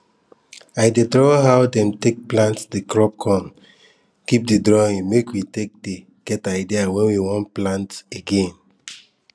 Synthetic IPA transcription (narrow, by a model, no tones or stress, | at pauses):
aɪdedɹɔɦawdɛ̃mtek̚plãntdikɹɔp̚kʰɔ̃n | kip̚didɾɔĩŋmekwitek̚de | ɡ̥ɛtaɪdiawɛ̃nwiwɔ̃nplãnteɡẽn